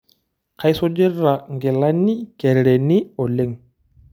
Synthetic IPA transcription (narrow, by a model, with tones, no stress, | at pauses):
kʰa˦jso˦d͡ʒe˦ra˨ŋɡe˨la˦ni˦kɛ˨ɾɾe˨ni˦ɔ˨le˦˨ŋ